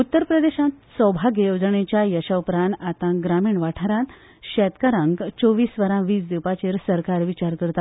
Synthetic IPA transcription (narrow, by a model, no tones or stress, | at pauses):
ut̪ːəɾpɾəd̪eɕãt̪sɔbʱaɡejod͡zɳet͡ɕjajəɕawpɾanat̪ãɡɾamiːɳʋaʈʰaɾãt̪ | ɕɛt̪kəɾãŋɡt͡soʋiːsʋəɾãʋiːt͡sd̪iwpat͡ɕeɾsəɾkaɾʋit͡ɕaɾkəɾt̪a